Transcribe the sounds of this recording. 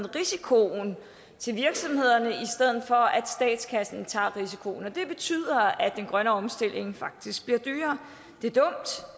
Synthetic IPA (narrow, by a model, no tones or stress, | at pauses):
nʁisikʰo̝n | t͡sʰe̝lʋiɐɡ̥sɒ̽mhe̝ð̞̰ˠɐnəisd̥eð̞̰ˠð̩ˠfɒ̽ʔæd̥sd̥ɛ̰ːd̥skʰæsn̩t͡sʰɑ̰̈ːʁisikʰo̝̰nɒ̽d̥e̝b̥e̝t͡sʰy̰ð̞̰ˠɐæd̥enɡ̥ʁɶnəɒ̽msd̥e̝l̰e̝ŋfɑ̈ɡ̥̚d̥isɡ̥̚b̥liɐd̥y̰ːɐ | d̥e̝d̥ɔ̽m̰d̥